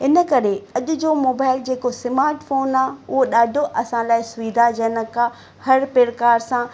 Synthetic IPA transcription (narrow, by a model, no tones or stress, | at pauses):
ɪnə̆kɐɾeɐʄʊ̆d͡ʑoːmoːbaːɪld͡ʑeːkosɪmaːɾʈfoːnaʊɦoɗaːɖʱoʔɐsãlaːɪsʊʋiːd̪ʱad͡ʑɐnəkã | hɐɾpeːɾkaːɾsã